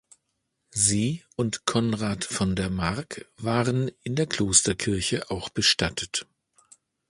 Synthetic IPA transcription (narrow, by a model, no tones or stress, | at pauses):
ziːʔʊntkʰɔnʁaːtfɔndeːɐmaʁkv̥aːʁənɪndeːɐkʰl̥oːstɐkʰɪɐçəʔaʊxb̥əʃtatʰət